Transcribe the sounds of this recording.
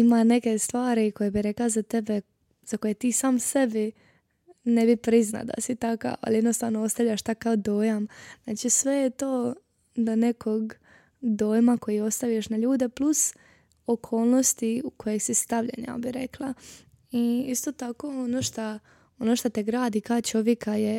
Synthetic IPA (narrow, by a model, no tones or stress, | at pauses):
imane̞kest̪ʋaːɾiko̞jebiɾe̞klazat̪ebe | z̥ako̞jet̪iːsaːmsebi | nebipɾizna̰d̪a̰sit̪aka̰a̰ljed̪nost̪aːʋnoost̪aʋʎaʃt̪akːaod̪o̞ːjamznaːt͡ʃisʋejet̪oː | d̪anekʰoɡ | d̪o̞ːjmako̞jio̞st̪aʋjeʃnaʎuːd̪e̞plus | okʰo̞ːlˠnost̪iuko̞jeɡsist̪aʋʎḛɲa̰biɾeklˠa | iist̪o̞t̪akoonoːʃt̪a | onoʃt̪at̪eɡɾaːd̪ikaot͡ʃo̞ʋjekaje